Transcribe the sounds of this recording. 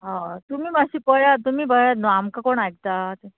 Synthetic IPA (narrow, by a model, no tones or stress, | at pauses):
ɦãt̪umiːmaɕiːpəjat̪umiːbʱəjat̪nɔamkakoɳaɡt̪at̪e